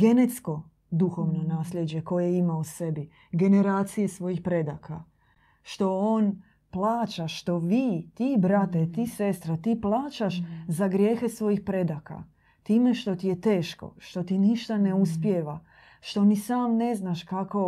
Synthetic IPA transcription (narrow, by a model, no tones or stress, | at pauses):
ɡe̞net̪sko̞ | d̪uxo̞ʋno̞naːslʎʲje̞d͡ʑe̞ko̞jejeimause̞bi | ɡe̞ne̞ɾaːt̪sije̞sʋo̞jixpɾe̞d̪akʰa | ʃt̪o̞oːn | plˠaːt͡ʃaʃt̪o̞ʋiːt̪ibɾat̪et̪ise̞st̪ɾot̪iplˠaːt͡ʃaʃzaɡɾje̞ːxe̞sʋo̞jixpɾe̞d̪aka̰ | t̪iːme̞ʃt̪o̞t̪ijet̪e̞ːʃko̞̰ʃt̪o̞t̪iniʃt̪ane̞uspjeʋa | ʃt̪o̞nisaːmne̞znaʃkako̞